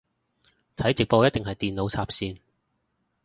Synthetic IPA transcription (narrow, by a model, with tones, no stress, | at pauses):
t̪ʰɐ˨˥jt͡sɪ˨k̚po˧wjɐ˥t̪̚ɪ˨ŋɦɐ˨jt̪iː˨˩nlo˨˧wt͡sʰaː˧p̚siː˧n